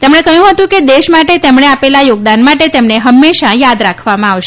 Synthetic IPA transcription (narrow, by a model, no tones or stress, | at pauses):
t̪emɳ̃ekəjũɦət̪ũked̪eʃmaʈet̪emɳ̃eapelajoɡ̚d̪anmaʈet̪emɳeɦəmːeʃajad̪ɾakʰʋamãaʋʃ